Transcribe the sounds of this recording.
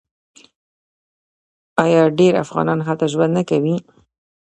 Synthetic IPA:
ɑjɑɖeɾa̰fɣɑ̰nɑnxalt̪aʒwand̪nakawi

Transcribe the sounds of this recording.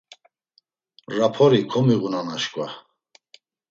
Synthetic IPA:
rapʰɔɾikʰɔmiɣunanaʃkʼwa

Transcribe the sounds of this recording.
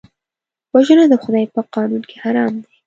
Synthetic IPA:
waʒənad̪əxʊd̪ɑjpəqɑnunke̥haɾɑmd̪e

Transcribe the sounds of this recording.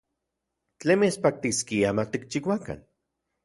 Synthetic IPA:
t͡ɬemespak̚t̪iskiamat̪ik̚t͡ʃiwʷaka̰n

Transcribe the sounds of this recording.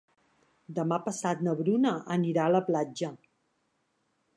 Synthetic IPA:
d̪əmapəsat̪nəβɾunəʔəniɾaələplad͡ʒə

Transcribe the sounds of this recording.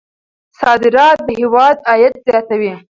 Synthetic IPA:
sɑd̪ɪɾɑt̪̚d̪əhewɑd̪ɑjat̪̚zjɑt̪awi

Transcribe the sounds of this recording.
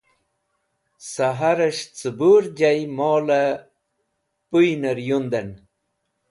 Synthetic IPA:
saɦaɾəʂt͡sɨbuɾd͡ʑajmoːlə | pujnəɾjund̪ən

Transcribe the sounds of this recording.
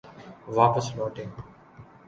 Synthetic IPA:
ʋaːpəsnoːʈɪ̃ŋ

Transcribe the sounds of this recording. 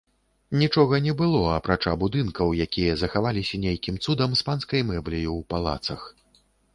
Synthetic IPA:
nʲit͡ʂɔɣɐnʲɛbɨlˠɔɐpɾat͡ʂabud̪ɨnkɐwjakʲijɐzɐxavalʲisʲɐnʲejkʲimt̪sud̪ɐmspanskɐjmɛblʲijuwpalˠa̰t̪sɐx

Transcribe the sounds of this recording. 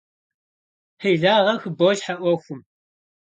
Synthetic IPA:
ħiɮaːʁɐxɨboːʒħaʔʷɐxʷʊm

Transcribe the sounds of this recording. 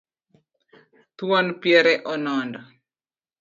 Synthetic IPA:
t̪wɔnpjɛɾɛʔɔnɔndɔ

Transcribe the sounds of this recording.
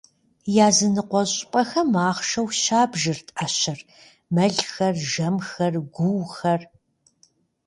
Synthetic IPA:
jaːzɨnɨqʷɔɕʼpʼɐxɐmaːχʃɐwɕaːbʒɨrtʰʼaːɕɪr | mɐɮxɐrʒɐmxɐrɡʷuwxɐr

